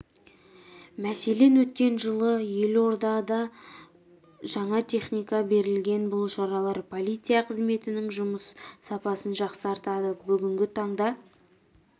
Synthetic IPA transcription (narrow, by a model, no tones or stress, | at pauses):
mæse̞le̞nwɵt̪kʲe̞nʒəlˠəje̞lwo̞ɾd̪ɑd̪ɑ | ʒɑɴɑt̪ʲʰe̞χnijkɑbe̞ɾɪlɡʲe̞nbʊlˠʃɑɾɑlˠɑɾpʰo̞lˠijt̪sɨjɑqʰəzme̞t̪ɪnɪŋʒʊməsːɑpɑsənʒɑqsɑɾt̪ɑd̪əbʏɡʲɪŋɡʲɪt̪ʰɑɴd̪ɑ